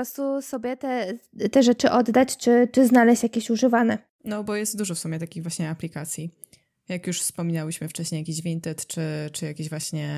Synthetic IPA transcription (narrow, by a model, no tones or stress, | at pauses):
ɔɾɔst̪usɔbʲjɛt̪ɛt̪ɛʐɛt͡ʂɘʔɔd̪ːat͡ɕt͡ʂɘt͡ʂɘznalɛɕt͡ɕjakʲeɕuʐɘvanɛ | nɔbɔjɛst̪̚d̪uʐɔfsumʲjɛt̪akʲiɣvwaɕɲɛaplʲikat̪sʲji | jakjuʂfspɔmʲinawiɕmɘft͡ʂɛɕɲejakʲiɕvʲint̪ɛt̪t͡ʂɘt͡ʂɨjakʲeʑvwaɕɲɛ